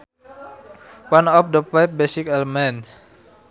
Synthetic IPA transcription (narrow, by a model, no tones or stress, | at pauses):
wanɔfdəfajfbesikɛlmɛns